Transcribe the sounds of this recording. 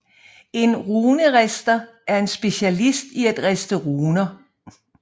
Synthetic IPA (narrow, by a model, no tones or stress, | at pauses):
e̝nʁuːnəʁɛsd̥ɐ | ʔæɐe̝nsb̥e̝ɕælisd̥iæd̥ʁɛsd̥əʁuːnɐ